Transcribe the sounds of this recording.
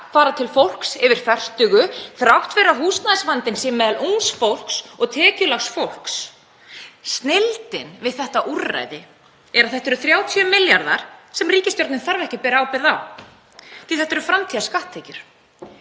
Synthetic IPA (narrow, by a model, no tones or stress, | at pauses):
faːɾat̪ʰɪlfowl̥ksɪvɪɾ̥fɛr̥st̪ʏɣʏθɾawht̪vɛɾaɦuːsnaðɪsvant̪ɪnsɛmːɛːðaluŋsfowl̥ksɔɣt̪ʰɛːcʏlaxsfowl̥ks | st̪nelt̪ɪnvɪðθɛht̪aʔura̰jðɪ | ɛɾaðθɛht̪ːɛɾʏθɾjaːwt̪ʰjœmɪljaɾða̰ɾ̥sɛmriːcɪst̪joɾt̪nɪnθaɾvɛhcʏpɛːɾaawpɪɾðaw | t̪ʰɪlθɛht̪ːɛɾʏfɾamt̪ʰiːðaskaht̪ʰːɛcʏɾ̥